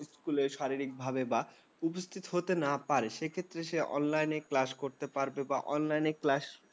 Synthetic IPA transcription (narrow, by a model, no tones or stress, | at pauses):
skuleɾʃaɾiɾik̚bʱabeba | upost̪ʰit̪oɦot̪enapaɾeʃekʰet̪ːɾeʃeʔɔ̰nlajneklaʃkoɾt̪epaɾbebaʔɔnlajneklaʃ